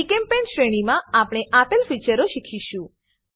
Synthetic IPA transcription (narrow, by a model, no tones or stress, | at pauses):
ikempenʃɾeɽ̃imãapɽ̃eʔapəlfit͡ʃəɾoʃikʰiʃũ